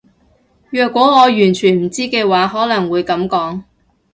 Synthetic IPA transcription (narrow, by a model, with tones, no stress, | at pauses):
jœː˨kwɔː˨˥ŋɔː˨˧jyː˨˩nt͡ʃʰyː˨˩nm̩˨˩t͡siː˥kɛː˧waː˨˥ɦɔː˨˥lɐ˨˩ŋwuː˨˧jkɐ˨˥mkɔː˨˥ŋ